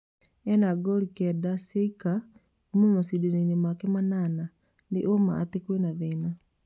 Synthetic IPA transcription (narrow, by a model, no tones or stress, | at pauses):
ɛnaɡɔɾikɛdaseika | omumasideneinemakemanana | ndeʔoma̰ːtekwenaðeːna